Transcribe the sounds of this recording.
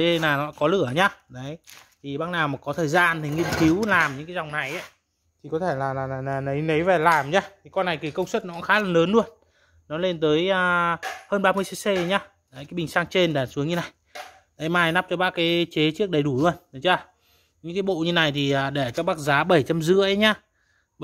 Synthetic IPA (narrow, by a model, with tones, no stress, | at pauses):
naː˨˩nɔ̰˧˥kɔ˨˦lɨ˧˩əɲaː˧ɗə˨˦j | t̪ʰi˨˩ɓaː˦˥k̚naː˨˩wmaː˨˩kɔ˨˦t̪ʰəː˨˩jza̰ː˧nt̪ʰi˨˩ŋi˧ənki˨˦wlaː˨˩mɲɨ̰˧˥ŋkaː˨˦za˨˩wŋ͡mna˨˩jʔa˨˦ | t̪ʰi˨˩kɔ˨˦t̪ʰe˧˩laː˨˩laː˨˩˨naː˨˩nə˨˦jnə˨˦jvɛ˨˩laː˨˩mɲaː˧t̪ʰi˨˩kɔ˧nːa˨˩jki˨˩kə˧wŋ͡mswə˦˥t̚nɔ˧˥xaː˨˦laː˨˩nləː˨˦nlu˧ən | nɔ˨˦le˧nt̪əː˨˦jəː˨˩həː˧nɓaː˧mɨ˧əse˧se˧˨˦ɲaː˧ | ɗə˨˦kaː˨˦ɓi˨˩ŋsaː˧ŋt͡ɕe˧nɗaː˨˩nsu˨˦əŋɲɨ˧na˨˩j | ɗ̪ə˨˦jmaː˧˩jna˦˥p̚t͡ɕɔ˧ɓaː˦˥kaː˨˦t͡ɕe˨˦t͡ɕɨ˦˥ək̚ɗə˨˩jɗu˧˩lu˧ən˨˦t͡ɕaː˧ | ɲɨ̰˧˥ŋkaː˨˦jɓo̰˧˨ɲɨ˧na˨˩jt̪ʰi˨˩ʔəː˨˩ɗe˧˩t͡ɕɔ˧ɓaː˦˥k̚zaː˨˦ɓə˧˩jt͡ɕa˧mzɨ̰˧˥əʔə˨˦ɲaː˧˩